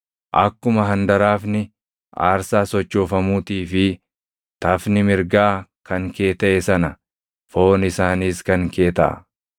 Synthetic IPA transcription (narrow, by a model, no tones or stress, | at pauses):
ʔɐ̰kːʊmɐɦɐnd̪ɐɾaːfnɪ | ʔa̰ːɾsaːsɔt͡ʃːo̞ːfɐmuːt̪iːfɪ | t̪ɐfnɪmɪɾɡaːkɐŋke̞ːt̪ɐʔɛsɐnɐ | fo̞ːnɪsaːniːskɐŋke̞ːt̪ɐ̰ʔɐ̰